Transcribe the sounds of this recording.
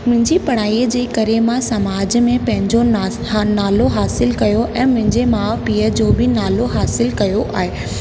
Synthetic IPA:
mʊ̃ɦɪ̃ɲd͡ʑipɐɽ̤aːiəd͡ʑeːkɐɾemãsɐmaːd͡ʑmẽpɐ̃ɦɪ̃ɲd͡ʑon | naːloɦaːsɪlkɐjoʔɛ̃ːmʊ̃ɦɪ̃ɲd͡ʑemaːʋpiːəd͡ʑoːbɪnaːloɦaːsɪlkɐjoʔaːɦeː

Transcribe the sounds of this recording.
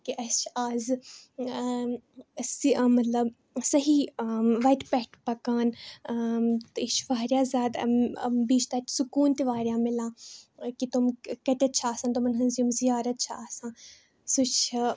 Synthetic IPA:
kiʔɐst͡ʃʰaːz | simɐt̪lɐb | sɐɦiʋɐʈpɛɦʈpɐkaːn | t̪it͡ʃʰʋaːɾjaːzʲaːd̪̰biːt͡ʃʰt̪ɐt̪sukuːnt̪iʋaːɾʲjãːmɪlãːkit̪umkɐʈ̪ʲɐt̪̚t͡ʃʰaːsãːnt̪umɐnɦɐ̃nzjumzijaːɾɐt̪̚t͡ʃʰaːsãː | sut͡ʃʰ

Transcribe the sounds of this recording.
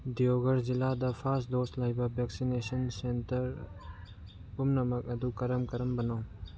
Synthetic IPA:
dijoɡɐɾziladɐpʰasdoslajbɐbʱɛksinesɐnsentɐɾ | umnɐmɐk̚ɐdukɐɾɐmkɐɾɐmbɐnɐw

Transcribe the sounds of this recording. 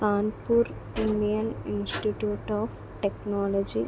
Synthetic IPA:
kaːnpuɾ | inɖijəninsʈiʈjuːʈɔp | ʈeknɔlɔd͡ʒi

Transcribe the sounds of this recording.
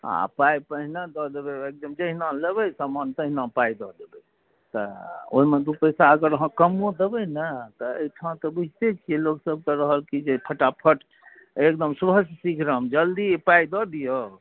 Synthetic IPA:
a̰pajpəɦinãd̪ɔd̪ebeek̚d̪əmd͡ʒəɦinãlebəjsamant̪əɦinãpajd̪ɔd̪ebɛ | t̪ɔo̰ɦimed̪upəjsaəɡəɾɦə̃kəmõd̪ebəjnət̪ɔə̰jʈʰãt̪ɔbud͡ʒʱt̪et͡ʃʰijɛloksəb̚k̪əɾəɦəlkid͡ʒepʰəʈapʰəʈʰ | ekd̪əmsubʱəssikʰɾəmd͡ʒəld̪ipaid̪ɔd̪ijo

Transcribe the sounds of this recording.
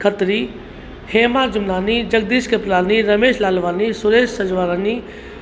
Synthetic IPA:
kʰət̪ɾi | heːmaːɾd͡ʒʊmnaːnid͡ʑɐɡ̚d̪iːskeplaːniɾɐmeːʃlaːlʋaːnisʊɾeːʃsɐd͡ʒʋaːɾaːni

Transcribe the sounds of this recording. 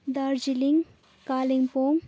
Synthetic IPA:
d̪aɾd͡ʒiliŋ | kaːliŋpoŋ

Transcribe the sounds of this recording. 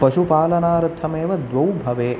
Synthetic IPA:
pɐʃupaːlɐnaːɾɐt̪ʰːɐmeːʋɐd̪ʋɐwbʱɐʋeː

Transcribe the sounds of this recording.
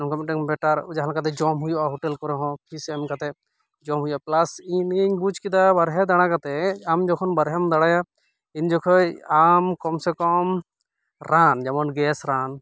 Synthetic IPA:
ɔŋkɔmɛʈɛŋbɛʈaɾd͡ʒaɦalakat̪ɛd͡ʒɔmɦujuʔaɦɔʈɛlkɔɾɛɦɔ̃pʰisɛmkat̪ɛ | d͡ʒɔmɦujuʔaplasiɲnɲbud͡ʒkid̪abaɾɦɛd̪aɽ̃ãkat̪ɛamd͡ʒɔkʰɔnbaɾɦɛmd̪aɽaja | iɲd͡ʒɔkʰɔjamkɔmsɛkɔm | ɾand͡ʒamɔnɡɛsɾan

